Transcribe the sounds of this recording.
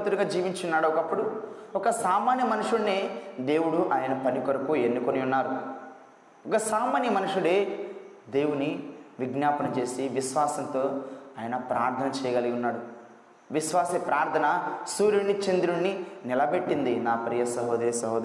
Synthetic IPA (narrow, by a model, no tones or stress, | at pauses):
t̪uɽuɡaːd͡ʒiːʋiɲt͡ʃunːaːɽɔkɐpːuɽu | ɔkɐsaːmaːnjɐmɐnuʂuɽneːd̪e̞ːwuɽuʔaːjɐnɐpɐnikoɾɐkuenːukoniunːaːɾu | ɔkɐsaːmaːnjɐmɐnuʂuɽeː | d̪e̞ːwuniʋiɡnjaːpɐnɐt͡ʃe̞ːsiʋisʋaːsɐnt̪o̞ːaːjɐnɐpɾaːɾt̪ʰɐnɐt͡ʃɛːjɐɡɐliɡunːaːɽu | ʋiʃʋaːsɐpɾaːɾt̪ʰɐnɐsuːɾjuɳːit͡ʃend̪ɾuɳːinilɐbe̞ʈːind̪inaːpɾijɐsɐɦɔːd̪ɐɐsɐɦɔːd̪